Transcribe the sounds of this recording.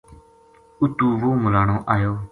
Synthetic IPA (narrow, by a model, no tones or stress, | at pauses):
ʊt̪uːʋuːmʊlaːɳõːʔaːjoː